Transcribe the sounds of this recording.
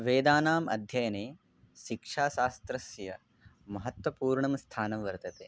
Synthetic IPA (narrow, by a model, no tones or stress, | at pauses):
ʋeːd̪aːnaːmɐ̰d̪ʱjɐjɐneː | ʃikʂaːʃaːst̪ɾɐsjɐ | mɐɦɐt̪ʋɐpuːɾɳɐmst̪ʰaːnɐmʋɐɾt̪ɐt̪eː